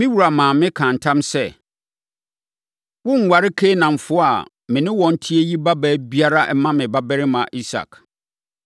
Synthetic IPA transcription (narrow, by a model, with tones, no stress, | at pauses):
mĩ˦wu˨ɾa˨mãː˨mɪ̃˦kʰã˨n̩˨tʰã˦msɛ˦ | wʊ˦ŋ̩˨wa˨ɾɪ˦kʰe˦nã˨ɱ̩˨fʊ˦a˨ | mɪ̃˨nɪ̃˦wɔ̃˨n̩˦tʰɪ˦e˦ji˦ba˦bɛ˦bi˦a˦ɾa˦ʔɛ˦mã˦mɪ̃˨ba˦bɛ˦ɾɪ˦mã˨ʔi˦sa̰˨k